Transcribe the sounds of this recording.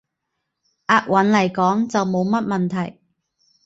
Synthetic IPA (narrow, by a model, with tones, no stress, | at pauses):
ʔaː˧t̚wɐ˨˥nlɐ˨˩jkɔː˨˥ŋt͡sɐ˨wmo˨˧wmɐ˥t̚mɐ˨nt̪ʰɐ˨˩j